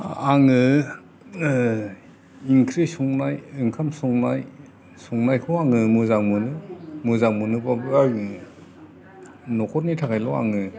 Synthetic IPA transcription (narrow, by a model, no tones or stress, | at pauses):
aŋɯ | iŋkʰɾisɔŋnajɯŋkʰamsɔŋnaj | sɔŋnajkʰɔaŋɯmɯzaŋmɯnɯmɯzaŋmɯnɯbabak | nɔkʰɔt̚nitʰakʰajlɔa̰ŋɯ